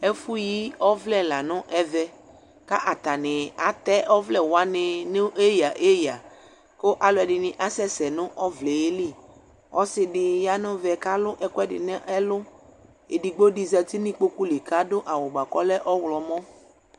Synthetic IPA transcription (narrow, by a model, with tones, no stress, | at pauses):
ɛ˦fu˦ji˦ɔ˦vlɛ˦la˨nʊ̃˦ʔɛ˦vɛ˦ | ka˦ʔa˨t̪a˨nɪ̃˨a˨t̪ɛ˦ʔɔ˦vlɛ˦wa˦nɪ̃˨nɪ˦e˦ja˨ʔe˦ja˨ | ko˦ʔa˨lʊ˨˦ɛ˨ɖɪ˨nɪ̃˨ʔa˨sɛ˦sɛ˨nʊ̃˦ʔɔ˦vlɛ˨je˦li˦˨ | ɔ˦sɪ˨ɖɪ˨ja˦nʊ̃˦vɛ˨ka˦lʊ˦ʔɛ˨kʊ˦ɛ˦dɪ̰˨n˦ʔɛ˦lʊ˦ | e˨di˨ɡ͡bo˦di˦zɛ˨t̪i˦nĩ˦k͡po˦ku˦le˨ka˦dʊ˦ʔa˨wʊ˨ɡ͡ba˨kɔ˦lɛ˦ʔɔ˦wlɔ˨mɔ̃˦